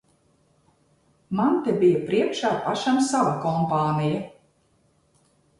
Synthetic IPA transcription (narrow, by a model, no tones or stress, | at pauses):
mant̪ɛbijɐpɾiɛkʃaːpaʃamsavakɔmpaːnija